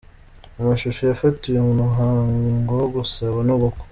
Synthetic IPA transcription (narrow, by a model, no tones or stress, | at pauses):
umuʃuʃojafatujumumuɦaːŋŋɡoɡusaβanuβuku̥